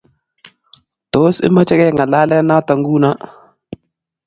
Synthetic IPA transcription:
to˨˦sɪ̰˦ma˦t͡ʃɛ˦kɛ˦ŋa˨la˦lɛ˦na˦ta˨ŋɡu˦na˦

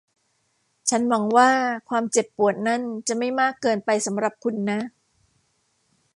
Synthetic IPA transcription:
t͡ɕʰa˦˥nwa˩˧˦ŋwaː˥˩kʰwaː˧mt͡ɕe˨˩pːu˨˩ət̪̚na˦˥˨nt͡ɕa˨˩ma˥˩jmaː˥˩kːɤː˧npa˧jsa˩˦mɾa˨˩p̚kʰu˧nːa˦˥

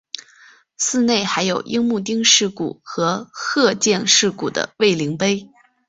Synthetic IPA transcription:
sɹ̩˥˧ne˥˩ɪxa˧˥ɪjo˨˩ʊʔi˥ŋmu˥˧t̪̬i˥ŋʂɻ̩˥˩kṵ˨˩xɤ˧˥xɤ˥˧t͡ɕjɛ˥˧nʂɻ̩˥˩kṵ˨˩d̪ə̰˦we˥˩ɪli˧˥ŋpe˥ɪ

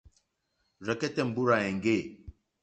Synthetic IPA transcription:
ɾɛ˨kɛ˦tɛ˦˨m̩˨bu˦ɾa˨ɛ̃˨ŋɡe˦˨

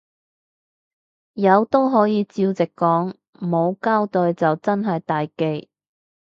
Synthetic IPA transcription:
jɐ˨˧wt̪o˥wɦɔː˨˥jiː˨˧t͡siː˧wt͡sɪ˨kːɔː˨˥ŋ | m˨mo˨˧wkaː˥wt̪ɵ˧jt͡sɐ˨wt͡sɐ˥nɦɐ˨jt̪aː˨jke˧j

